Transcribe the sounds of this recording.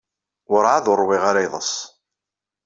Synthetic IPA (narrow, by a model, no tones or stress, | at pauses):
ʊɾˤʕaðʊɾˤwiʁaɾajðˤə̰s